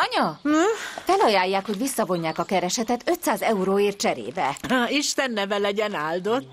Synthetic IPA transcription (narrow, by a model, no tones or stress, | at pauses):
ɒɲɒ | fɛlɒjaːjːaːkho̞ɟʋisːɒvo̞ɲːaːkɒkɛɾɛʃɛt̪ɛt̪ø̞t̪saːzɛuɾoːeːrt̪̚t͡ʃɛɾḛːbɛiʃt̪ɛnːɛvɛlɛɟɛnaːld̪ot̪ː